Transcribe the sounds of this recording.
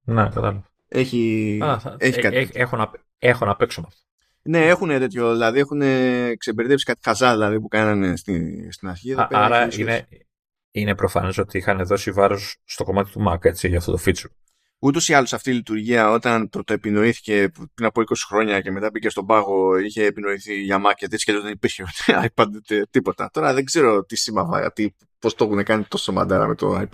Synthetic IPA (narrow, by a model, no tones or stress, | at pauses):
nekɐt̪ɐlɐvɐ | e̞çi | eçikɐt̪exonɐp | exonɐpeksonɐft̪o | ne̞e̞xunet̪e̞t̪ço̞ðilɐðie̞xune̞kse̞beɾit̪epsi̥kɐt̪i̥xɐzɐðilɐðipukɐnɐne̞st̪ist̪inɐsçiɐðɐpeɐɾɐine | ine̞pɾofɐ̰ne̞so̞t̪iixɐneðo̞sivɐɾosːt̪oko̞mɐt̪i̥t̪umɐke̞t͡siʝɐft̪o̞̰t̪o̞fit͡su̥ | ut̪o̞siɐlosɐft̪iːlit̪uɾʝiɐo̞t̪ɐnt̪ot̪oepino̞iθi̥ce̞pɾinɐpo̞iko̞si̥xɾo̞ɲɐce̞me̞t̪ɐbice̞st̪o̞bɐɣo̞içe̞ːpino̞iθiʝɐmɐkɐt̪iesceloðenipiɾçeoneɐ̰jpɐd̪et̪e̞t̪ipo̞t̪ɐ̰t̪o̞ɾɐðeɡze̞ɾo̞t̪isimɐvɐ̰t̪i | po̞st̪o̞xunekɐnit̪o̞somɐ̰d̪ɐɾɐ̰met̪o̞̰ɐjp